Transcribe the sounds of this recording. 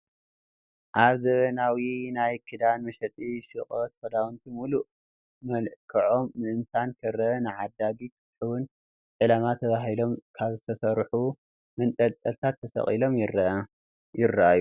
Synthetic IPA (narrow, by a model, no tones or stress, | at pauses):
ʔaβzɐβɐnawinajkʰɨd̪anmɐʃɐt̪ʼiʃɨχʼot̪fɐd̪awunt̪ʰimulu | mɐlkʰɐʕo̞mːɨʔɨnt̪ʰankʰɨɾɐnɨʕad̪ːaɡikʰɨt̪ħɨwʊn | ʕɨlamat̪ʰɐβaɦilo̞mkʰaβzɨt̪ʰɐsɐɾħu | mɨnt̪ʼɐlt̪ʼɐlt̪ʰat̪ʰːɐsɐ̰χʼilo̞m | jɪrːɐʔajːu